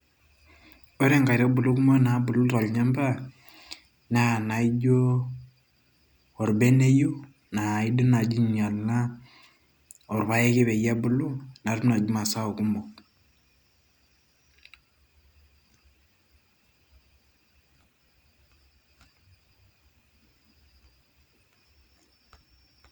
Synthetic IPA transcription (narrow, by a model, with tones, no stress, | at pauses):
o˦ɾe˦ŋɡa˨i˨ɾa˦bu˨lu˦ku˦mo˦na˨˦bʊ˨lu˦ta˨lɲa˦mba˦ | na˦˨na˨i˦d͡ʒo˦ | ɔ˨ɾbe˦ne˦ju˦ | na˨i˦di˦na˨d͡ʒi˦ɲa˨lna˦ | ɔ˨ɾβa˦je˦ke˦bɛ˨ja˦bu˨lu˦na˨ɾmna˨d͡ʒu˦ma˨sa˦o˨ku˦mɔ˨k